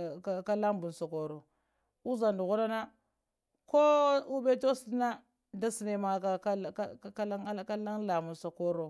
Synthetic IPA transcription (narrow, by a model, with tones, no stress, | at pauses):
ka˦la˦mbu˨n˨so˨ko˨ɾo˨ | u˦za˨ndu˨ɣu˦ɾa˦na˦ | ko˦u˦be˦to˦sna˦ | da˦si˨ne˨ma˨ka˨ka˦˨˦a˦lŋ˦ka˦la˦ŋla˨mu˨nsa˨ko˦ɾo˨